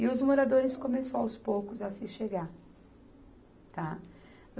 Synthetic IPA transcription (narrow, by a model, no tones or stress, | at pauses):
ɪʊzmoɾad̪oɾɪskomesoawspowkʊzɐsɪʃeɡaɾ | t̪a